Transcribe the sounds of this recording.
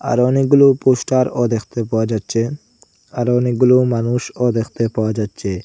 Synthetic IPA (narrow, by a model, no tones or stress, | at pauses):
a̰ɾɔniɡulupuʃʈaɾɔd̪exʰt̪epawad͡ʒat̪t͡ʃʰe | aɾɔniɡulumanuʃɔd̪exʰt̪epawad͡ʒat̪ːt͡ʃʰe